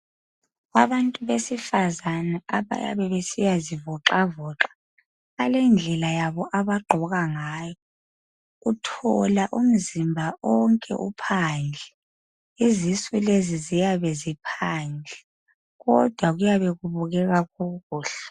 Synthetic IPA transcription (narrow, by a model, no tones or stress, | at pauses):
ɣaβantʼuβesifazanaaβa̰ja̰βɛβesijazivɔǁavɔːǁḁː | lɛnd͡ɮʱɛlajaβɔʔaβaɡ͡ǃʱɔɣaŋaːjɔ | utʰɔlaʔum̩zimbʱaʔɔŋkʼɛ̰ʔṵpʰand͡ɮʱɛ | izisulezizijaβɛzipʰaːnd͡ɮʱɛ | ɣɔd̥ʱwaɣujaβɛɣuβuɣɛɣaɣuɣuːɬɛ̥